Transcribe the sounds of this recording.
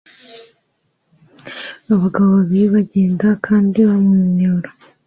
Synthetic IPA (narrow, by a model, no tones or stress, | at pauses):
aβaɡaβoββiiβaɟeːndakʰaːndiβamŋiːɲoːɾa